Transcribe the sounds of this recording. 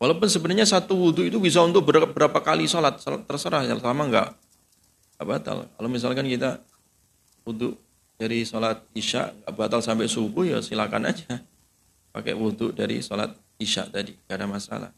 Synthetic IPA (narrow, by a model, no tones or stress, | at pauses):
walawpʊnsəbənarɲasat̪uwuduit̪ubis̬aunt̪ʊk̚bəɾabəɾapakalisolat̪̚səla̰t̪ːərsəɾahslamaŋɡa̰ʔ | ŋɡaʔbat̪a̰lkalomis̬alkankit̪a | wud̪ʊʔ | d̥aɾisolat̪̚iʃa̰ʔŋɡaʔbat̪alsampɛsukuhja̰silaka̰na̰d͡ʒa | pa̰kɛ̰ʔwud̪ʊʔdaɾḭsola̰t̪̚ | iʃa̰ʔt̪adiŋaadamasa̰la̰h